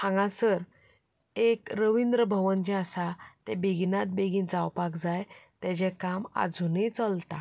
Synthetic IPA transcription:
hãŋɡãsəɾ | ekɾəʋind̪ɾəbʱəʋənd͡ʑɛ̃asat̪ɛ̃beɡinat̪̚beɡind͡zawpakd͡zajt̪ɛt͡ɕɛ̃kama̰d͡zʱunit͡səlt̪a

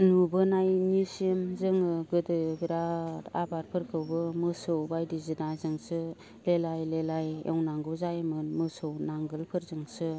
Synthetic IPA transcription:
nubɯnajnisemzɯŋɯɡɯdɯɡɾata̰baɾpʰɯɾkʰɯwbɯmɯsɯwbajdizinazɯŋsɯ | lelajlelajḛwnaŋɡɯzajmɯnmɯsɯwnaŋɡɯlpʰɯɾzɯŋsɯ

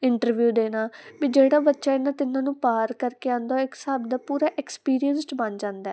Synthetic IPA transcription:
ɪɳʈəɾʋjuːd̪eːnaːʋiːd͡ʒeːɽaːbətːʃaːɪnːaːt̪ɪnãːnũːpaːɾkəɾkeãːnd̪aoɪksəbd̪aːpuːɾaːʔɛkspiːɾijənsʈbənd͡ʒãːnd̪ɛː

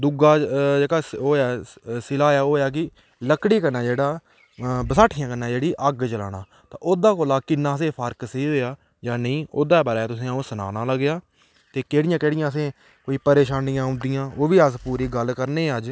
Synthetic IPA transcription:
d̪ʊɡaːd͡ʒeːɽaːoːɛːsɪlaːjaːoːjaːk̬ɪ | ləkɽiːkənaːd͡ʒeːɽaː | bəsaːʈʰːɪjãːkənːaːd͡ʒeːɽiːʔəɡt͡ʃəla̰ːɽ̃aː | t̪ã̰ːʔoːd̪aːkoːlaːkɪnːãːs̬eːpʰəɾksəiːɦoːjaː | d͡ʒãːnəĩːʔoːd̪aːbaːɾaaːt̪ʊsĩːũːsəna̰ːnãːləɡɪjaː | t̪eːkeːɽɪjãːkeːɽɪjãːs̬ẽː | koːiːpəɾeːʃaːnɪjãːʊ̃nd̪ɪjãːoːʋiːəspuːɾiːɡəlkəɾneːəd͡ʒ

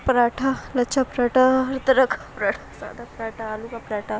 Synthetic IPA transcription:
pɾaʈʰalɐːt͡ʃʰapɾaʈaɦɾt̪ɐɾɐkʰapɾaʈʰasa̰d̪apɾaʈʰaːlukapɾaʈʰa

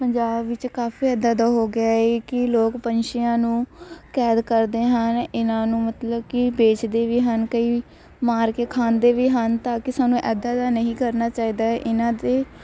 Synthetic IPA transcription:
pəɲd͡ʒaːbːɪt͡ʃkaːfiːɛːd̪aːd̪aːɦoːɡɪaːɦeːkɪloːkpənʃɪjãːnũːkɛːd̪kəɾd̪eːɦənɪnãːnũːmət̪ləbkɪbeːt͡ʃd̪eːʋiːɦənkəiː | maːɾkeːkʰaːnd̪eːʋiːɦənt̪aːkɪsaːnũːʔɛːd̪aːd̪aːnəɦĩːkəɾnaːt͡ʃaːiːd̪aːɛʔɪnãːd̪eː

